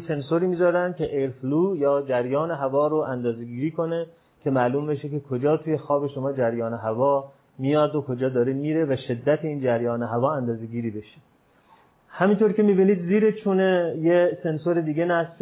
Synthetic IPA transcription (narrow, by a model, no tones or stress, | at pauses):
se̞nsoɾiːmiːzɒːɾænd̪̚kʲʰeʔeɾfluːjɒːd͡ʒæɾjɒːne̞ɦævɒːɾoʔænd̪ɒːzeɡiːɾiːkʰo̞ne̞ | kʲʰe̞mæːluːmbe̞ʃekekʰod͡ʒɒːt̪ʰuːje̞xɒːbeʃomɒːd͡ʒæɾjɒːneɦævɒː | mijɒːd̪okʰod͡ʒɒːd̪ɒːɾemiːɾe̞væʃe̞d̪ːæt̪ʰeiːnd͡ʒæɾjɒːneɦævɒːænd̪ɒːzeɡiːɾiːbe̞ʃe | hæmint̪ʰoːɾkʲe̞miːbiːniːd̪ziːɾet͡ʃʰunejese̞nsoɾed̪iːɡenæsf